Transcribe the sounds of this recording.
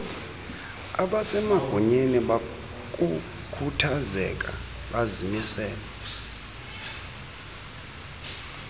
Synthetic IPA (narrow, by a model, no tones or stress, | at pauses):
aɓasɛmaɡ̥ʱɔɲeniɓa | kʼu | kʰutʰazɛkʼa̰ | ɓazimisɛːlɛ